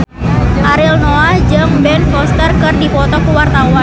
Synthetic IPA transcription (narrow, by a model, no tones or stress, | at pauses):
ʔaɾɪlnoad͡ʒɨŋbɛnfɔst̪ərkɨrdipɔt̪ɔkəwart̪awan